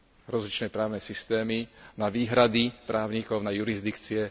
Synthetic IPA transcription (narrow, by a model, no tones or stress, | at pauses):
ɾɔzlit͡ʃnɛpɾaːʊnɛsist̪ɛːminaʋiːɦɾad̪ipɾʔaːʊɲikɔʊnajuɾizd̪ikt͡siɛ